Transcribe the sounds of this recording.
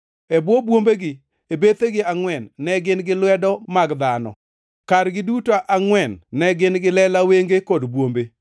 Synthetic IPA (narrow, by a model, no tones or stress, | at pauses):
ebwobwombeɡɪ | ebet̪eɡɪaŋwɛnːɛɡɪnɡɪlwɛdɔmaɡd̪anɔ̰ | kaɾɡɪdutoʔaŋwɛnːɛɡɪnɡɪlɛlaweŋɡekodbwombe